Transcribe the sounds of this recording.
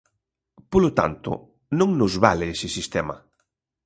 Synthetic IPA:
polot̪a̰nt̪ʊ̰ | nõŋnʊzβalɪesɪsist̪ɛmɐ̰

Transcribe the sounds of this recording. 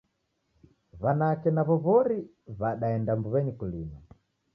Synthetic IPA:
βanakɛnaβɔβɔɾi | βaɗaɛndambuβɛɲikulima

